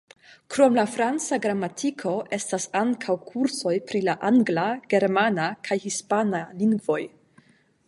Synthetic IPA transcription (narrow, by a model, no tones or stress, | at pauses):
kɾo̞mlafɾant͡saɡɾamːatʰikʰo̞ʔe̞stasaŋkʰawkʰuɾso̞jpɾilaʔaŋɡlaɡ̥e̞ɾmanakʰajhispanaliŋɡvo̞j